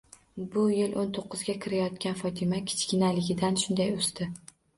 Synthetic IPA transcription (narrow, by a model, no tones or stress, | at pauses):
bʊjɪlʔont̪ʰoqːɨzɡʲakʲʰɪɾajɒt̪kʲanfɒt̪ʰɪmakʲʰɪ̥t͡ʃkʲɪnalɪɡʲɪd̪anʃʊnd̪ajost̪ɪ